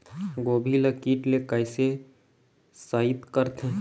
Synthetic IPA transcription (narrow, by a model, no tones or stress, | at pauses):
ɡoːbʱiləkiːʈlekəɪse | saːit̪kəɾt̪ʰẽ